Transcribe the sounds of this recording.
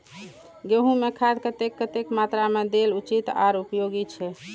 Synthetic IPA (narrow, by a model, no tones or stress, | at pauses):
ɡeɦũmekʰad̪̚kət̪ekːət̪ekmat̪ɾamed̪elut͡ʃit̪a̰ɾupjoɡit͡ʃʰɛ